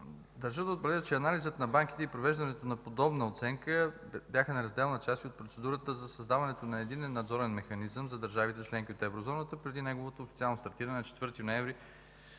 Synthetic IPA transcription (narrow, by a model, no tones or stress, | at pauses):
d̪ɐɾʒəd̪əot̪bɾɛd̪ət͡ʃɛɐnalizət̪nɐbaŋk̟i̥t̪ɛipɾovɛʒd̪ɐnɛt̪onɐpod̪ɔbnəot̪sɛŋkə | bjaxənɛɾɐzd̪ɛlˠnət͡ʃast̪iot̪̚pɾot̪sɛd̪uɾət̪əzɐsɐzd̪avɐnɛt̪onɐɛd̪inɛnːɐd̪zɔɾɛnmɛxɐnizəmzɐd̪əɾʒavit̪ɛt͡ʃlɛŋkʲiot̪ɛvɾozɔnət̪əpɾɛd̪inɛɡovot̪oːfit̪sialˠnost̪ɐɾt̪iɾɐnɛnɐt͡ʃɛ̥t̪vɤɾt̪inoɛvɾi